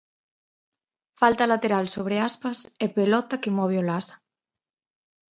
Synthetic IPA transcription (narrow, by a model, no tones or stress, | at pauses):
falt̪alat̪eɾalsoβ̞ɾeaspasepelɔt̪akemɔβeolasḁ